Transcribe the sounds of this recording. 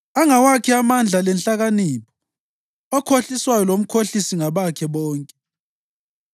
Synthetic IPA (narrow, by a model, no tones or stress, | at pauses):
aŋawakʰiamand͡ɮʱalɛnɬʼaɣaniːpʰɔ | ɔkʰoɬiswajɔlom̩kʰoɬisiŋaβakʰɛβɔːŋkʼɛ